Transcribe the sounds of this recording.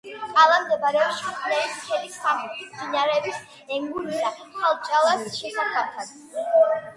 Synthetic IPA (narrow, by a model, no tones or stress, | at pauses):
qʼalˠamd̪ɛbaɾɛɔpʃiχʰnɛlismχɛlisaχɔt̪ʰisb̪inaɾɛːbis | ɛŋɡuɾiɾaχʰalˠt͡ʃʼalˠasʃɛsapʰaɾt̪ʰad̪